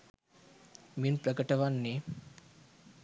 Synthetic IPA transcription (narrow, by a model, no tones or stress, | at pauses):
minprəkəʈəʋanːe